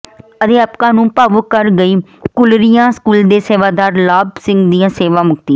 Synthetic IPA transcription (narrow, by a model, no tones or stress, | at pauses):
əd̪eːapkãːnũːpaːʋʊkəɾɡəiːkʊlɾɪjãːskuːld̪eːseːʋaːd̪aːɾlaːbsɪ̃ŋɡd̪ijãːseːʋãːmʊkt̪iː